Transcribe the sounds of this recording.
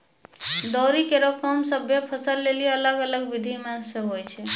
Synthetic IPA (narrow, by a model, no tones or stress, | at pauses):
d̪ɔɾikeɾokəmsəbʱjepʰəsəlːeliələɡələɡʋid̪ʱimesəɦojt͡ʃʰɛ